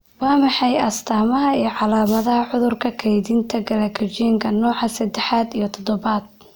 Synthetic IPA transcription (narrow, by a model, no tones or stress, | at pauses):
wɑːmɑħɑjɐst̪ʰaːmɐɦɐiːɞʕɑlaːmɐðɐɦɐʕʊðʊrkʰɐkʰɛjðɪnt̪ʰɐɡɐlɐkʰɐt͡ʃiːŋkʰɐnɔːʕɑsɐd̪ɛħaːd̪ijɞt̪ʰɔd̪ɔβaːd̪̥̚